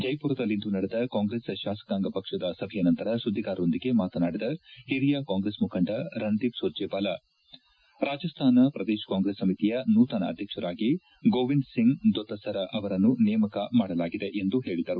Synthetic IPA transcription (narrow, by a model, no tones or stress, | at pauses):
d͡ʒɐjpuːɾɐd̪ɐlːind̪unɐɽed̪ɐkaːŋɡɾeːsʃaːsɐ̥kaːŋɡɐpɐkʂɐd̪ɐsɐbʱɛjɐnɐnt̪ɐɾɐsud̪ʱːiɡaːɾɐo̞nd̪iɡe̞maːt̪ɐnaːɽid̪ɐhiɾijaːkaːŋɡɾesmukʰɐɳɖɐɾɐnd̪ipsoːd͡ʒeːbaːlɐ | ɾaːd͡ʒɐst̪ʰaːnɐpɾɐd̪eːʃɐ̥kaːŋɡɾesːɐmit̪ijɐnuːt̪ɐnɐ̰ɐ̰d̪ʱjɐkʂɐɾaːɡi | ɡoːʋinɖsiŋɡd̪ot̪ːɐsɐɾɐʔɐʋɐɾɐnːunɛjɐmɐkɐmaːɽɐlaːɡid̪e̞ʔend̪uɦe̞ːɭid̪ɐɾu